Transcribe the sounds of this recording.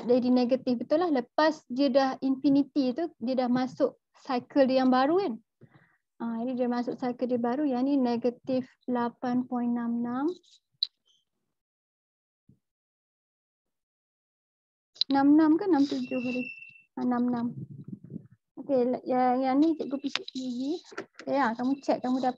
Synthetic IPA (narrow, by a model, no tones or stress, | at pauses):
dadineɡat̪ɪfbət̪ulahləpasdiədahinfinit̪it̪udiədahmasʊʔ̚ | sajkəldijaŋbaɾukan | ad͡ʒadidiəmasʊksajkəldibaɾujanineɡat̪if | lapanpɔinːãmnam | nãmnãmkanamt̪ud͡ʒʊɦadi | anamnãm | okeljajanĩt͡ʃɛʔ̚ɡopisiʔliɡiajakamut͡ʃɛʔ̪̚kamũda